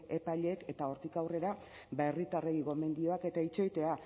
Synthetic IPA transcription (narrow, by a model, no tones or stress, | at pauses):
e̞paʎe̞ke̞t̪ao̞ɾt̪ikawre̞ɾa | baerit̪areɣiɣo̞me̞nd̪io̞ake̞t̪ait͡ʃo̞jt̪e̞a